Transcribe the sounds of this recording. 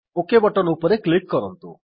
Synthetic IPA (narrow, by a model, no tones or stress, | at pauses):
okebɔʈɔnupɔɾeklikːɔɾɔnt̪ṵ